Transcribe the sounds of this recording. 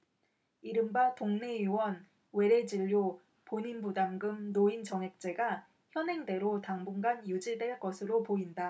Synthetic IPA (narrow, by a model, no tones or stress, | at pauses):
iɾɯmbatoŋne̞juwʌn | we̞ɾe̞d͡ʑiʎːo | poɲinbudamɡɯmnoint͡ɕʌŋɦe̞k̚t͡ɕ͈e̞ɡa | çjʌnɦe̞ŋde̞ɾotaŋbuŋɡanjud͡ʑiɭdwe̞ɭk͈ʌsʰɯɾopoinda